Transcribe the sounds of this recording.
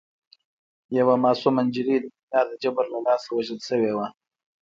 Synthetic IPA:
jawamɑːsumand͡ʒɪɾid̪əminjɑːɾd̪əd͡ʒabəɾlalɑːsawaʒəlʃəwewa

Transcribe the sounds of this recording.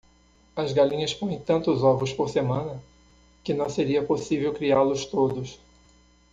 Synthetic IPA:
ɐzɡalĩɲɐspõẽj̃t̪ɐ̃nt̪ʊzɔvɾʊspoɾsemɐ̃nɐ | kɪnɐ̃w̃seɾiɐposivewkɾialʊst̪od̪ʊs

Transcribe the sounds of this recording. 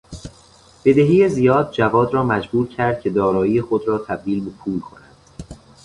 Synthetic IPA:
b̥e̞d̪eɦiːjezijɒːd̪̚d͡ʒævɒːd̪ɾɒːmæd͡ʒbuːɾcʰæɾd̪̥̚cʰe̞d̪ɒːɾɒːjiːjexod̪ɾɒːt̪ʰæb̚d̪iːlbe̞pʰuːlkʰo̞̰nænd̪

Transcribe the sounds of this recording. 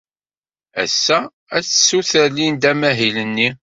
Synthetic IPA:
æ̰sːæ | æt͡ssːuθəlːind̪æmæɦilənːi

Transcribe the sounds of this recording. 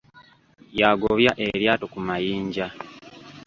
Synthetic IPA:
jaɡoβjaʔe̞ɾjaːto̞kumajiːɲɟa

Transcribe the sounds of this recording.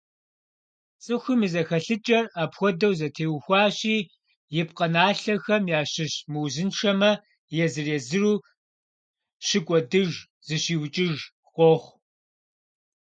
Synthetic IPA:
t͡sʼɨxʷimɨzɐxɐɬɨt͡ʃʼɐraːpxʷɔdɐwzɐtʰeːwxʷɑːɕiː | jɪp̚qɐnaːɬɐxɐmjaːɕɪɕmɨwzɨnʂɐmɐ | jɛzɨreːzɨruː | ɕɪkʷʼɔdɨʒ | z̥ɨɕiːwt͡ʃʼɪʒ | χʷʼɔχʷ

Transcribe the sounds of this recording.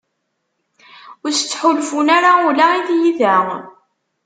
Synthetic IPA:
ʊɾsət͡sːħʊlfunaɾaulaiðjiðæ

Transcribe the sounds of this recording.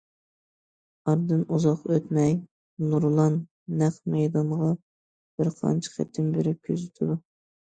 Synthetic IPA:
ɑɾd̪ɨnuzɑqøt̪mɛj | nuɾlˠɑnː | æχmɛjd̪ɑɴʁɑ | b̥ɪɾqʰɑ̰nt͡ʃʰɪ̥χæ̰t̪ʰːɪmbeɾɪp̚kʲʰøzɪt̪ʰɪd̪u

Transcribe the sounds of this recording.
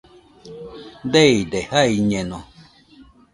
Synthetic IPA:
deidehaiɲẽno

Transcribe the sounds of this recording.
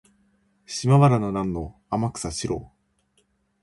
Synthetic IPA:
ɕimaβaɾanonãnːo | amakɯ̥saɕiɾo̰ː

